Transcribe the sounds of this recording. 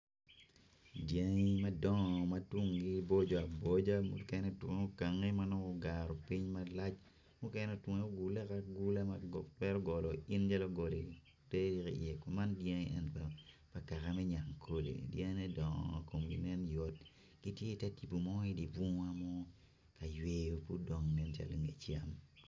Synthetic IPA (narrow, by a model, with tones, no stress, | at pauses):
dja˦ŋi˦ma˦dɔ˦ŋɔ˨ma˦twʊ˦ŋɡi˦bo˦d͡ʒɔ˨a˨bo˦d͡ʒa˦mu˨kɛ˦nɛ˦˨twʊ˨ŋ˦o˦ka˨ŋːe˦ma˦nɔ˦kɔ˦ɡa˨ɾɔ˨pi˦ɲma˦la˦t͡ʃ | mu˦kɛ˦nɛ˦˨two˨ŋe˦o˦ɡu˨lɛ˦ka˦ɡu˦la˦ma˦˨twɛ˦ɾɔ˦ɡɔ˨lɔ˨i˦nd͡ʒa˦lɔ˦ɡo˨le˨ | tɛ˦ɾi˦kḭ˨ɛ˨kɔ˦ma˦ndje˦ŋi˦ɛ˦npa˨ | pa˨ka˨ka˨mɛ˦ɲa˨ŋkʰo˨lḛ˨dje˦ŋ˦nɛ˦dɔ˨ŋɔ̰˨ko˨mɡi˨nɛ˦njɔ˨t̚ | ɡ̥i˦tje˦i˨tɛ˦ti˨pu˨mɔ˦i˦di˨pu˦ŋwa˦mɔ˦ | ka˨jwe˨jo˨pu˦dɔ˨ŋnɛ˦nt͡ʃa̰˨lo˨ŋe˨t͡ʃja˦m